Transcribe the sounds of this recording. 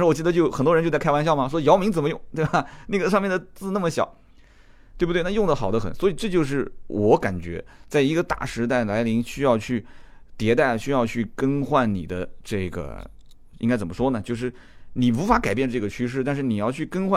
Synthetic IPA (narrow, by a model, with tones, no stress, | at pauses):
ʂɻ̩˥˩ɔ˨˩t͡ɕi˥˩d̪ə˧t͡ɕjo˥˩ʊxə˨˩nt̪wɔ˥˧˥t͡ɕo˥˧t͡sa˥˩˥wa˥nɕjɑ˥˩ʊmɐ˨˩ʂwɔ˥jɑ˧˥ʊmi˧˥ŋt͡sə˨˩mə˦jʊ˥˩ŋt̪we˥˩bɐ˩na˥˩ɡə˩ʂ̬ɑ˥˧mjɛ˥˩nd̪ə˩t͡sɹ̩˥˧na˥˩mə˩ɕjɑ̰˨˦ʊ | we˥˩bu˩t̪wn˥˧jʊ˥˩ŋd̪ə˩xɑ˨˩ʊd̪ə˦xə̰˨˩˦nswɔ˧˥i˨˩ʈ͡ʂɤ˥˧t͡ɕjo˥˧ʊʂ̬ɻ̩˥˩wʔɔ˧˥ka˨˩nt͡ɕɥɛ̰˧˥t͡sa˥˩ɪi˧˥ɡə˧t̪a̰˥˩ʂɻ̩˧˥t̪a˥˩ɪla˧˥ɪli˧˥ŋɕy˥jɑ˥˧ʊt͡ɕʰy˥˩t̪jɛ˧˥t̪̬a˥˩ɪ˩ɕy˥jɑ˥˧ʊt͡ɕʰy˥˩kə˥nxwa˥˩nnḭ˨˩d̪ə̰˦ʈ͡ʂɤ˥˩ɡə̰˩ | i˥ŋka˥ɪt͡sə˨˩mə˦ʂwɔ˥nə˨t͡ɕjo˥˧ʊʂ̬ɻ̩˥˩ | ni˨˩wu˧˥fa˧˥ka˨˩ɪp̬jɛ˥˧nʈ͡ʂɤ˥˩ɡə˩t͡ɕʰy˥ʂ̬ɻ̩˥˩t̪a˥˧nʂ̬ɻ̩˥˩ni˨˩jɑ˥˧ʊt͡ɕʰy˥˩kə˥nxwa˥˩